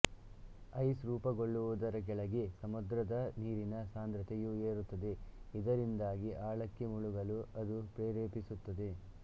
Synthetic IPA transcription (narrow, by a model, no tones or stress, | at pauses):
ɐjsɾuːpɐɡoɭːuʋud̪ɐɾɐɡɛɭɐɡesɐmud̪ɾɐd̪ɐniːɾinɐsaːnd̪ɾɐt̪ɛjueːɾut̪ːɐd̪eid̪ɐɾind̪aːɡiʔaːɭɐkːemuɭuɡɐluɐd̪upɾeːɾeːpisut̪ːɐd̪e